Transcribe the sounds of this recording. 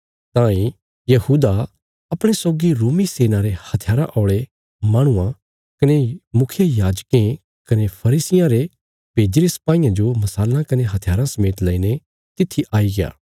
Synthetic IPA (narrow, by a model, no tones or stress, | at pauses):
t̪ãːĩ | jɐhuːd̪a | ɐpɽ̃esɔːɡiɾoːmiseːnãɾehɐt̪ʰɪjaːɾã̰ʔɔːɭe | mãːɽ̃ʊã | kɐnemʊkʰjejaːd͡ʒkẽ | kɐnepʰɐɾiːsɪjãɾe | beːd͡ʒɾesɐ̥paːijãd͡ʒomɐsaːlãkɐneɦɐt̪ʰɪjaːɾãsɐmeːt̪lɐine | t̪ɪt̪ʰːiʔaːiɡɪja̰ː